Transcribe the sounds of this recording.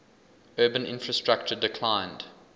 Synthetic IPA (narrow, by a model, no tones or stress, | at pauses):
ɜːbə̃nɪ̰̃nfɹəstɹ̥ak̚t͡ʃədɪkʰl̥ãɪ̃nd̥